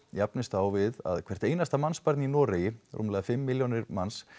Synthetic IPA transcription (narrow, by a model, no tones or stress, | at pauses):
japnɪst̪awvɪða̰ðkʰvɛr̥t̪eːjnast̪amanspaɾt̪ninɔːɾejɪrṵmlaːðɪfɪmːɪljownɪɾmans